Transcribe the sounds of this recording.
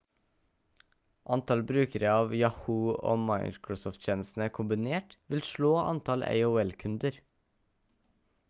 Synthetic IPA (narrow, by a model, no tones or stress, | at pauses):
ʔɑnt̪ɑlbɾʉːkəɾəɑːʋjɑhuːo̰ːmɑɪkɹʊsɔːft̪c͡çʰeːnəsn̩əkʰʊmbɪneːʈʋɪlʃɭoːʔɑ̰nt̪ʰɑlʔḛɪuːɛlkʰʉnd̪əɾ